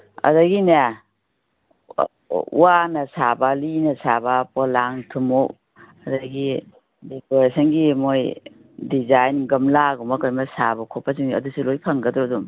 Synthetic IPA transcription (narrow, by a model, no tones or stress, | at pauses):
ɐ̰dɐɡina | ṵwanɐsabalinɐsabapɔlaŋtʰumo | ɐdɐɡi | dekoɾesɐnɡimoj | dizajnɡɐmlaɡumɐkajmɐsabakʰɔpːasiŋiɐ̰dusulojpʰɐŋɡɐdɾɔdum